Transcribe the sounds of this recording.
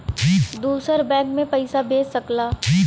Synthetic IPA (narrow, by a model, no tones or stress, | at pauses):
d̪uːsəɾbɛ̃ːkmẽpɐɪsabeːsɐklaː